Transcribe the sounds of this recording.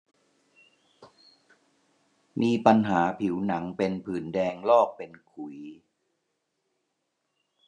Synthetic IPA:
miː˧pa˧nɦaː˩˦pʰi˩˦wna˩˦ŋpe˧npʰɯː˩˦ndɛː˧ŋlɔː˥˩k̚pe˧nkʰu˨˩˦j

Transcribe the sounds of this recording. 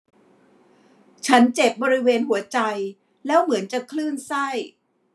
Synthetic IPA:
t͡ɕʰa˦˥nt͡ɕe˨˩p̚bɔː˧ɾi˦˥weː˧nɦu˩˦ɐt͡ɕa˧j | lɛː˦˥wmɯ˩˦ənt͡ɕa˨˩kʰlɯː˥˩nsa˥˩j

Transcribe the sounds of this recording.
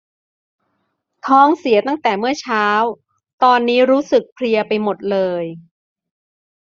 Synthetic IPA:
t̪ʰɔː˦˥ŋsi˨˩˦ɐt̪a˥˩ŋt̪ɛː˨˩mɯ˥˩ɐt͡ɕʰaː˦˥w | t̪ɔː˧nːiː˦˥ɾuː˦˥sɯ˨˩k̚pʰɾi˧ɐpa˧jmo˨˩t̪̚lɤː˧j

